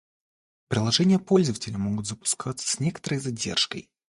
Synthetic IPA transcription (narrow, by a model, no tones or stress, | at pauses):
pɾʲɪlˠɐʐɛnʲɪjəpo̞lʲzəvətʲɪlʲɪmo̞ɡʊt̪zəpʊ̥skʰat̪sə̥sʲnʲe̞kə̥t̪əɾəjzadʲe̞̰rʂkə̰j